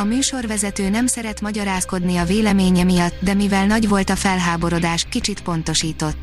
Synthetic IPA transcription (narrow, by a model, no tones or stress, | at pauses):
ɒmyːʃo̞rvɛzɛt̪øːnɛmsɛɾɛt̪mɒɟɒɾaːsko̞d̪niɒveːlɛmeːɲɛmijɒt̪ːd̪ɛmivɛlnɒɟvo̞lt̪ɒfɛlɦaːbo̞ɾo̞d̪aːʃkit͡ʃit̪po̞nt̪o̞ʃiːt̪o̞t̪ː